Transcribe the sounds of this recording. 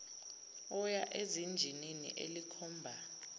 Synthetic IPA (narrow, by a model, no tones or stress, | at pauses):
ɔjaʔezind͡ʒʱininḭʔḛlikʰɔːmbʱa